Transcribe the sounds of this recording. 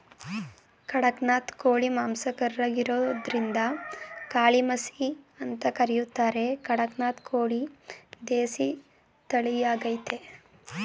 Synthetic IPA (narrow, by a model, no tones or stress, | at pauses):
kɐɽɐknaːt̪koːɭimaːmsɐkɐɾɾɐɡiɾoːd̪ɾind̪ɐkaːɭimɐsiɐnt̪ɐkɐɾɛjut̪ːaːɾe̞kɐɽɐknaːt̪kʰoːɭid̪eːsi | t̪ɐɭijaːɡɐjt̪e